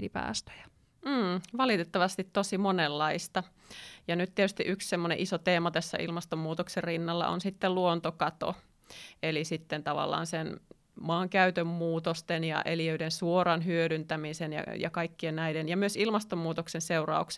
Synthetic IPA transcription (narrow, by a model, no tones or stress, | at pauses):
lipæ̰ːst̪ø̥jɑ̥ | m̩ːʋɑlit̪et̪ːɑʋɑst̪it̪t̪osimonelːɑist̪ɑ | jɑnyt̪t̪iet̪yst̪iʔykssemːonḛʔisot̪eːmɑt̪æsːæ̰ʔḭlmɑst̪omːuːt̪okserrinːɑlːɑ̰ʔo̰nsit̪ːelluont̪okɑt̪o̰ | elisit̪ːent̪ɑʋɑ̰lːˑɑ̰ːnsen | mɑːŋkæyt̪ømːuːt̪ost̪enjɑ̰ʔeliøydensuorɑnɦyøɾynt̪æmisenjɑ̰jɑ̰kɑikːiennæidenjɑmyøsilmɑst̪ommuːt̪oksenseurɑ̰uks